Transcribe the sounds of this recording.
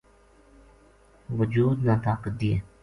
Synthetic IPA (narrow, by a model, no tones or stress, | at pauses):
ʋəd͡ʒuːd̪nãːt̪aːkət̪̚d̪iḛː